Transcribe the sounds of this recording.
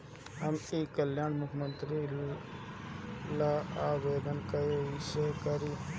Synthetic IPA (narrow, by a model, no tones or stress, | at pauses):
ɦəmiːkəljaːnmʊkʰmənt̪ɾi | laːaːʋeːd̪ənkəjoisekəɾiː